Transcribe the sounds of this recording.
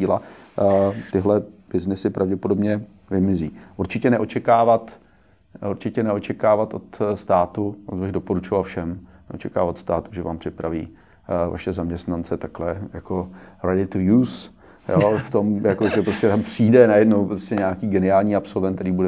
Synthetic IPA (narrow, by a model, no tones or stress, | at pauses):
iːla | t̪ɪɦlɛb̥ɪznɪsɪpɾʔavɟɛpodobɲɛ | vɪmɪzḭːʔuɾt͡ʃɪcɛnɛʔot͡ʃɛkaːvat̪ | uɾt͡ʃɪcɛnɛo̞t͡ʃɛkaːvat̪ʔo̞̰t̪st̪aːt̪ut̪bɪɣdo̞po̞ɾut͡ʃovalfʃɛmnɛʔot͡ʃɛka̰ːvat̪st̪aːt̪uʒɛva̰ːmpr̥ɪpɾavḭː | va̰ʃɛzamɲɛst̪nant͡sɛt̪aklɛjakoɾadɪt̪ujuːs | joft̪o̞mjakoʒɛpɾoscɛt̪ampr̥iːdɛnajɛdnowpɾostcɛɲaːkiːɡɛnɪaːlɲiːapso̞lvɛnt̪t̪ɛɾiːbudɛ